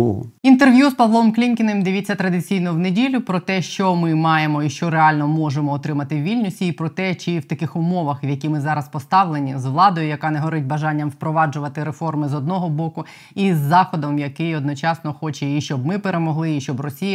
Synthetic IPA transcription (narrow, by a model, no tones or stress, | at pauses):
int̪erʋʲjuspɐʋlˠɔmklʲinkʲɪnemd̪ɪʋʲit͡sʲːɐt̪ɾɐd̪ɪt͡sʲijnɔwnedʲilʲʊpɾɔt̪ɛʃt͡ʃɔmɪmɑjemɔiʃt͡ʃɔɾeɑlʲnɔmɔʒemɔːt̪ɾɪmɐt̪ɪwʋʲilʲnʲʊsʲiːpɾɔt̪ɛt͡ʃɪwt̪ɐkɪxʊmɔʋɐxʋjɐkʲimɪzɑɾɐspɔst̪ɑʋlˠenʲizʋlˠɑd̪ɔjʊjɐkɑnɛɦɔɾɪtʲbɐʒɑnʲːɐmwpɾɔʋɑd͡ʒʊʋɐt̪ɪɾefɔrmɪzɔd̪nɔɦɔbɔkʊ | izːɑxɔd̪ɔmjɐkɪjɔd̪nɔt͡ʃɑsnɔxɔt͡ʃɛiʃt͡ʃɔbmɪpeɾemɔɦlˠɪiʃt͡ʃɔbrɔsʲijɐ